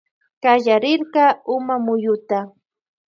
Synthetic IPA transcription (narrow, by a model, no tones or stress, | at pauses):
kajaɾɪɾɢɑʊmamʊjʊt̪a